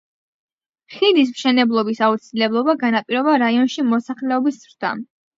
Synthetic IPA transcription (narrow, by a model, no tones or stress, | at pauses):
χilis̬mʃɛnɛblˠɔbisaut̪sʰilɛblˠɔbaɡanapʼiɾɔbaɾaiɔnʃimɔsaχlɛɔbisz̥ɾd̪̥a̰